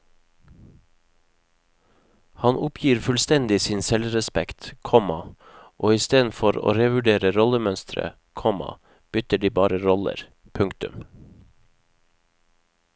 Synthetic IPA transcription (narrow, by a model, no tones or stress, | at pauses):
hɑnʔʊpʰjiːɾfʉlst̪ɛnd̪ɪsiːnsɛlɾɛspɛkt̪kʰɔmɑ | ʔoːɪst̪eːd̪n̩fɔɾo̰ːɾeːʋʉɖeːɾəɾɔləmœnst̪ʰɾə̰ | kʰɔmɑ̰ | b̥ʏt̪əɖiːbɑːɾəɾɔlə̰ɾ | pʰʉŋkt̪ʉm